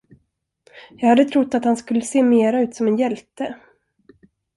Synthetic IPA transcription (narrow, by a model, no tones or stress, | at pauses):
jɑːɡhad̪ːət̪ʰɾʊt̪ːat̪hanskɵlːəseːmeːɾaʉ̟ːt̪sɔmɛnjɛlt̪ə